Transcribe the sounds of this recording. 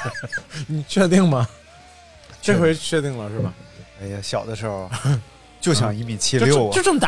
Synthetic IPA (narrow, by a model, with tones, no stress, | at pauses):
ni˨˩t͡ɕʰɥɛ˥˧t̪i˥˩ŋmɐ˩ | ʈ͡ʂe˥˩kwe˧˥ɪ˥t͡ɕʰɥɛ˥˧t̪i˥˩ŋlə˩ʂɻ̩˥˩bɐ˩a˥˩ɪja˨˩ɕjɑ˨˩ʊd̪ə˦ʂə˥˩x | t͡ɕjo˥˩ʊɕjɑ˨˩ŋi˧˥pi˨˩t͡ɕʰi˥˧ljo˥ʊo˥˧ʈ͡ʂə˥˩mə˩t̪